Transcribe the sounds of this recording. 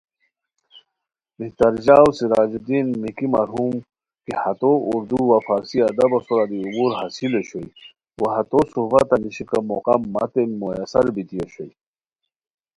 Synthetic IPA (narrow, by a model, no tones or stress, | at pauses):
biht̪ɐɾd͡ʑaːwsiɾaːd͡ʑid̪inmikimɐɾɦum | kihɐt̪ouɾd̪uwafaːɾsiɐd̪ɐbɐsuɾad̪iubuɾɦasileɕoj | wɐhɐt̪osuhbat̪ɐniɕikamoqamːa̰t̪enmojasɐɾbit̪ieɕoj